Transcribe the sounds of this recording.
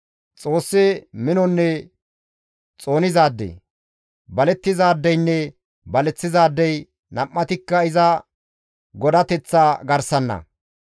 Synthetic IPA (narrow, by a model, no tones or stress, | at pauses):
t͡sʼo̞ːsːemɪnɔnːɛ | t͡sʼo̞ːnɪzaːd̪ːḛ | bɐlɛt̪ːɪzaːd̪ːɛjnːɛ | bɐlɛt͡sːɪzaːd̪ːɛj | nɐmːɐt̪ɪkːɐɪzɐ | ɡɔd̪ɐt̪ɛt͡sːaːɡɐɾsɐnːɐ̰